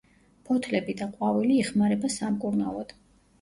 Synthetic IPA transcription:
pʰɔt̪ʰlɛbid̪aqʼwaviliːχmaɾɛbasamkʼuɾnalˠɔd̪̥

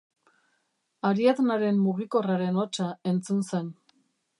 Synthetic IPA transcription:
aɾiat̪naɾe̞mːuɣiko̞raɾe̞no̞t͡ʃae̞nt͡sunse̞n

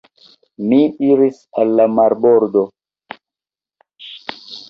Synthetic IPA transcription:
miiɾis | alːamaɾboɾdo

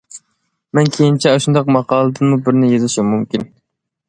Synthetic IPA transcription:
mɛnkʲʰejint͡ʃʰɛɑʃund̪ɑq̚mɑqɑːlˠɨd̪ɨnmubɪɾnɪjezɪʃimumkʲin

